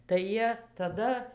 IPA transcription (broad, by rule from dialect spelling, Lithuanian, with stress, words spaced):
tɐɪ ˈjiɛ tɐˈdɐ